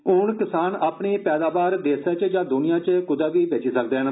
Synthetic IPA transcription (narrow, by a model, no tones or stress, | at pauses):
ʊɳkɪsaːnaːpɳiːpɛːd̪aːbaːɾd̪eːsaːt͡ʃd͡ʒãːd̪ʊnɪjãːt͡ʃkʊd̪aːʋiːʋet͡ʃiːsək̚d̪eːɦn